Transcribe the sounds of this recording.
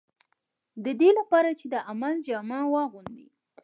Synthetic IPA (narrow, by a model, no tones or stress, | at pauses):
d̪əd̪elapɑɾat͡ʃed̪əʔamald͡ʒɑmawɑɣund̪ḭ